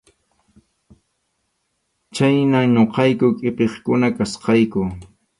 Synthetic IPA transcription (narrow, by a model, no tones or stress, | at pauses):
t͡ʃajnaŋɲoqɑjkʊkʼɪpeχkʊnakasqɑjkʊ